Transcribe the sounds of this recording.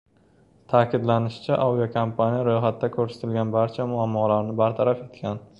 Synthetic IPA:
t̪ʰaːkʲʰɪd̪lanɪʃɪ̥t͡ʃʰaʔawijokʰompʰanijaɾojχat̪ːakʰɵɾsḁt̪ʰɪlɡʲanbaɾt͡ʃʰamʊamːɒlaɾnɪbaɾt̪ʰaɾafe̞t̪kʲʰan

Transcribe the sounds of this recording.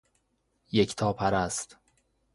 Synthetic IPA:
jecʰt̪ʰɒːpʰæɾæst̪

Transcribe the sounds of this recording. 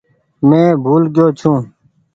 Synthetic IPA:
mẽːbʱuːlɡɪjoːt͡ʃʰũː

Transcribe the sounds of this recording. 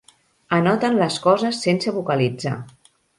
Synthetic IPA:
ənɔt̪ənləskɔzəsːensəβukəlid͡za̰

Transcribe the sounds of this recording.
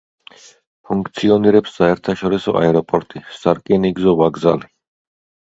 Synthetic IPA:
pʰuŋkʰt̪sʰiɔniɾɛpsːaɛɾt̪ʰaʃɔɾisɔ̰ʔa̰ɛɾɔpʼɔɾt̪ʼisaɾkʼiniɡzɔvaɡzali

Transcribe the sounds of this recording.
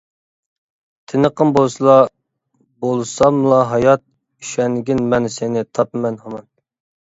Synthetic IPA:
t̪ʰɪnəqʰənbolˠsɨlˠɑ | bolˠɨsɑmɨlˠɑɦɑjɑt̪̚ | i̥ʃɛnɡʲinmɛnsenɪt̪ʰɑpmɛnhɑmɑn

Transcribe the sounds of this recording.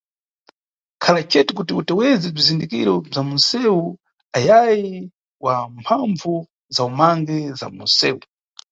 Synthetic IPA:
kʰalat͡ʃɛtikutiutɛwɛzɛb͡ʐizindikḭɾɔb͡ʐamunsɛu | ajaji | wampʰaɱvu | zaumaŋɡɛza̰munsɛːu

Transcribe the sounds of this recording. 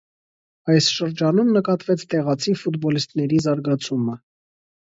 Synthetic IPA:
ɑjsʃəɾd͡ʒɑnumnəkɑt̪vɛt͡sʰt̪ɛʁɑt͡sʰifut̪bɔlist̪nɛɾizɑɾɡɑt͡sʰumə

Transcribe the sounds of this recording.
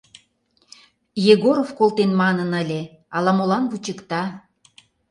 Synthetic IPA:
jeɣoɾofkolt̪enmɑnənəlʲe | ɑlɑmolɑnβut͡ɕəkt̪ɑ

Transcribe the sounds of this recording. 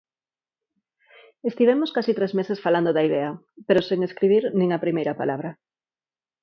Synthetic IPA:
est̪iβemoskasit̪ɾezmesesfaland̪oðaiðɛɐ | peɾoseŋeskɾiβ̞iɾnĩŋɐpɾimejɾɐpa̰laβɾɐ

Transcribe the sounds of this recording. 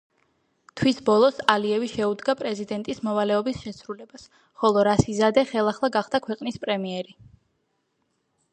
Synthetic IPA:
t̪ʰwisbɔlˠɔsaliɛviʃɛud̪ɡapʼɾɛzid̪ɛnt̪ʼismɔvalɛɔbisʃɛsɾulɛbas | χɔlˠɔɾasizad̪ɛχɛlˠaχlˠaɡaχd̪̥akʰwɛqʼnispʼɾɛmiɛɾi

